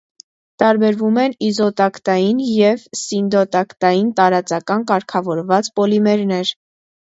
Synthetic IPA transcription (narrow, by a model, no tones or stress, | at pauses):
t̪ɑɾbɛɾvumɛnizɔt̪ɑkt̪ɑjinjɛvsind̪ɔt̪ɑkt̪ɑjint̪ɑɾɑt͡sɑkɑnkɑɾkʰɑvɔɾvɑt͡spɔlimɛɾnɛɾ